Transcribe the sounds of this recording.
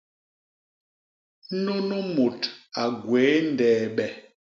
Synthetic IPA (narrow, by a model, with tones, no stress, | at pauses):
no˦no˦mo˨ta˨ɡweː˨˦n˨dɛː˨ɓɛ˨